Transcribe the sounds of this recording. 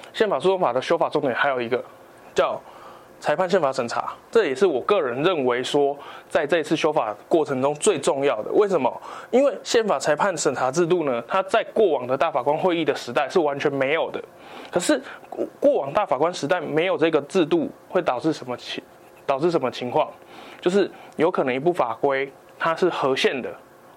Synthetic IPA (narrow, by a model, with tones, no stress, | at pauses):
ɕjɛ˥˩nfa˨˩sʰu˥˩o˥ŋfa˨˩d̪ə˩ɕjo˥ʊfa˨˩t͡sɔ˥˧ŋt̪jɛ˨˩nxa˧˥ɪjo˨˩ʊi˧˥ɡə˧˨ | t͡ɕjɑ˥˨ʊ | t͡sʰa˧ɪpʰa˥˧nɕjɛ˥˨nfa˧˥ʂə˨˩nt͡sʰa̰˧˥ʈ͡ʂɤ˥˩jɛ˨˩ʂɻ̩˥˩wɔ˨˩kɤ˥˨˩ɻə˧˦nɻə˥˨˩nwe˧˦ɪʂwɔ˥t͡sa˥˧ɪt͡sə˥˧i˧t͡s̩ʰ˥˩ɕjo˥ʊfa̰˨˩kwɔ˥˩ʈ͡ʂʰə˧˥ŋʈ͡ʂʊ˥˦ŋt͡swe˥˧ɪʈ͡ʂʊ˥˧ŋjɑ˥˨ʊd̪ə̰˩we˥˩ɪʂə˨˧˦nmə˨i˦˥nwe˥˩ɪɕjɛ˥˩nfa˨˩t͡sʰa˧˥ɪpʰa˥˩nʂə˨˩nt͡sʰa˧˥t͡sɻ̩˥˧t̪̬u˥˩nə˩t̪ʰa˦t͡sa˥˧ɪkwɔ˥˩wɑ˨˩ŋd̪ə˩˦t̪a˥˩fa˨˩kwa˦nxwe˥˧ɪi˥˩d̪ə˩ʂɻ̩˧˥t̪a˥˧ɪʂɻ̩˥˩wa˧˦nt͡ɕʰɥɛ˧˥nme˧˥ɪjo˨˩ʊd̪ə˩ | kʰɤ˨˩ʂɻ̩˥˩kwɔ˥˨wɑ˨˩ŋt̪a˥˩fa˨˩kwa˦˥nʂɻ̩˧˥t̪a˥˩ɪme˧˥ɪjo˨˩ʊʈ͡ʂɤ˥˧i˧ɡə˨t͡sɻ̩˥˧t̪u˥˨xwe˥˩ɪt̪ɑ˨˩ʊʈ͡ʂɻ̩˥˩ʂə˧˦mə˧ | t̪ɑ˨˩ʊʈ͡ʂɻ̩˥˩ʂə˧˦mə˧t͡ɕʰi˧˥ŋkʰwɑ˥˨˩ŋ | t͡ɕjo˥˧ʊʂ̬ɻ̩˥˩jo˧˥ʊkʰɤ˨˩nɤ˧˦ŋi˧˥p̬u˥˩fa˨˩kwe˦ɪ | t̪ʰa˦ʂɻ̩˥˩xɤ˧˥ɕjɛ˥˨˩nd̪ə̰˩